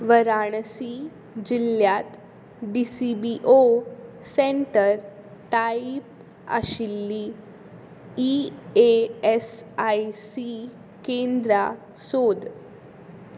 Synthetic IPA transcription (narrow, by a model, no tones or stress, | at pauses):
ʋəɾaɽəsi | d͡ʑiljat̪ | ɖisibiʔo | seɳʈəɾ | ʈaip̚ | a̰ɕilːi | ieesajsi | kend̪ɾa | sod̪